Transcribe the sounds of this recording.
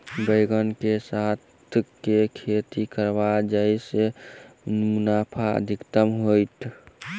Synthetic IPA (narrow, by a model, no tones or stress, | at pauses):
bəjɡənkesat̪ʰkekʰet̪ikəɾbad͡ʒajse | munapʰaə̰d̪ʱikt̪əmɦojt̪ʰ